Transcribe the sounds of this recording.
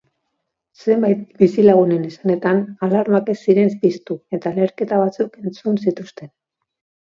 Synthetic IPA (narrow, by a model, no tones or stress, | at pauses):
se̞mbajt̪̚bisilaɣ̞une̞nisane̞t̪analaɾmake̞siɾe̞nspist̪ue̞t̪ale̞ɾke̞t̪aβat͡suke̞nt͡sunsit̪ust̪e̞n